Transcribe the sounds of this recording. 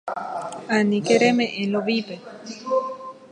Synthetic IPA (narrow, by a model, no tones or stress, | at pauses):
anĩkeɾemẽʔẽloʋipe